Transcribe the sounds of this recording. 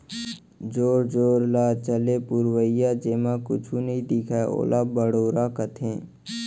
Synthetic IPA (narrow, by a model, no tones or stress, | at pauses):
d͡ʒoːɾd͡ʒoːɾlaːt͡ʃəlepʊɾwəɪjaːd͡ʒeːmãkʊ̰t͡ʃʰunəɦĩd̪ɪkʰao̰ːlʔaːbəɽoːɾaːkət̪ʰẽː